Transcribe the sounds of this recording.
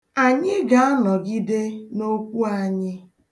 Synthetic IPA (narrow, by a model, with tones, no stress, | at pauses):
a˨ɲɪ˦ɡa˨a˦nɔ˨ɡi˦de˦no˦kʷu˦a˨ɲɪ˦